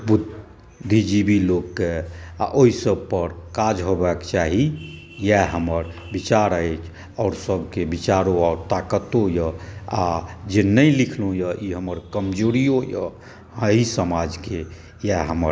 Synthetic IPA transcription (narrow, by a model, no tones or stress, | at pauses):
bud̪ʱː | id͡ʒibʱilokːea̰ʔoɦisəb̚pəɾkad͡ʒɦobakt͡ʃaɦi | jɛɦəməɾ | bit͡ʃaɾəet͡ʃʰ | ɔːɾsəbʱkebit͡ʃaɾoɔːɾt̪akət̪ojəad͡ʒenəilikʰlũjəʔiɦəməɾkəmd͡ʒoɾijojə | əisəmad͡ʒke | jaɦəməɾ